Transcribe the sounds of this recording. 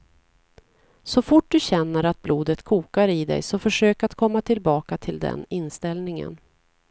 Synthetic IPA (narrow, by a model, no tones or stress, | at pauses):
sɔfʊʈ̚d̪ɵɕɛnːəɾat̪̚bluːd̪ət̪kʰuːkaɾɪd̪ɛ̰jsɔfœʂøːkat̪kʰɔmːat̪ʰɪlbɑːkat̪ʰɪld̪ɛ̰nɪnːst̪ɛlnɪŋə̰n